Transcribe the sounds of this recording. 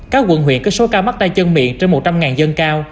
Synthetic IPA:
kaː˦˥k̚ɣwə̰˧˨nɦwḭ˧˨ənkɨ˨˦so˨˦kaː˧wma˦˥t̚t̪a˧jt͡ɕə˧nmḭ˧˨ənt͡ɕe˧nmo˨˩t̚t͡ɕa˧mŋaː˨˩nzə˧nkaː˧w

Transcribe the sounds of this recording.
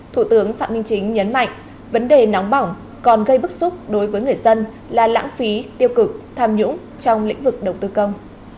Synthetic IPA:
t̪ʰu˧˩t̪ɨ˨˦əŋfaː˧˨mï˧ŋt͡ɕï˨˦ŋ̟ɲə˨˦nma̰˧˨jŋ̟ | və˨˦nɗe˨˩nɔ˨˦wŋ͡mɓa˨˧˩wŋ͡m | kɔ˨˩nɣə˧jɓɨ˦˥k̚sʊ˦˥k͡p̚ɗo˨˦jvəː˨˦jŋɨ˨˩əjzə˧n | laː˨˩la̰ː˧˥ŋfi˨˦t̪i˧əwkɨ˨˩k̚t̪ʰaː˧mɲʊ̰˧˥ŋ͡m | t͡ɕɔ˧wŋ͡mlḭ˧˥ŋ̟vɨ˨˩k̚ɗə˨˩wt̪ɨ˧kə˧wŋ͡m

